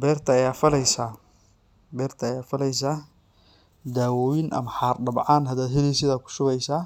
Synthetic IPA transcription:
bɛːrt̪ʰɐɐjaːfɐlɛjsaː | bɛːrt̪ʰɐɐjaːfɐlɛjs̬aː | d̪aːwɔːwɪnʔɐ̰mɐħaːrɖɐbʕaːnɦɐd̪aːd̪ɦɛlisɪðaːkʰʊ̥ʃʊɣɛjsaː

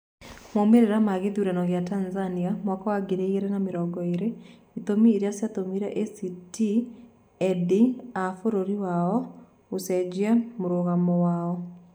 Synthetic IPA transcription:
momeɾeɾamaɣeðiuɾanɔɣeatanzaniamwakawaɡeɾeieɾɛnameɾɔɡɔeɾe | it̪omiːɾjasjat̪omiɾɛʔesiti | ɛdiafoɾoɾiwaɔ | osɛd͡ʑiamoɾoɣamɔwaɔ

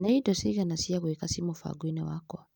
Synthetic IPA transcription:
naidɔsiɣanasiakwikasimufa̰ɡwinɛ̰wakɔ

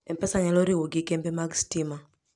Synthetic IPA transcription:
ɛmpɛsaŋɛlɔɾiwoɡɪkɛmbemaɡstima

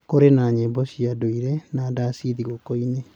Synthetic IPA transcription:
koɾenaːɲebɔsiadoiɾenadasiðiɣokoine

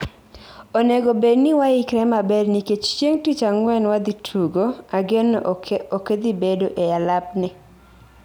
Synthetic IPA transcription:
oneɡobednɪwaɪkɾɛmabɛdniket͡ʃt͡ʃjeŋtit͡ʃaŋwɛnwad̪itʰuɡoaɡenoked̪ibedoʔealapnɪ

